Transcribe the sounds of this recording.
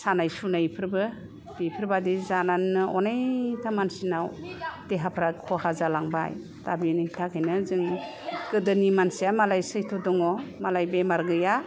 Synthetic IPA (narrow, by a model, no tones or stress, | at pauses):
sanajsunajpʰɯɾbɯ | b̥ipʰɯɾbadizananːɯʔɔnajtʰamansinawd̥eɦapʰɾakʰɔhazalaŋba̰j | tabinitʰakʰajnɯzɯŋ | kɯdɯnimansijamalajsɯjtʰɔdɔŋɔmalajbemaɾɡɯja